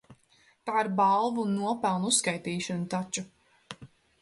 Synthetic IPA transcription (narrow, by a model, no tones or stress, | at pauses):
t̪aːiɾbalˠvunːuɔpælˠnusskajt̪iːʃɔnut̪at͡ʃu